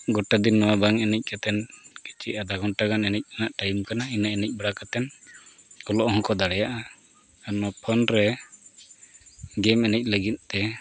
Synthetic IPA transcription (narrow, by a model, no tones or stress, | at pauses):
ɡɔʈad̪inːɔwabaŋɛnɛc̚ˀkat̪ɛnki̥t͡ʃiad̪aɡɔnʈaɡanɛnɛc̚ˀanaʔʈajumkanainaɛnɛc̚baɽakat̪ɛn | kɔlɔʔɦɔ̃kɔd̪aɽɛjaʔa | anɔpʰɔnɾɛ | ɡɛmɛnɛc̚ˀləɡit̪̚t̪ɛ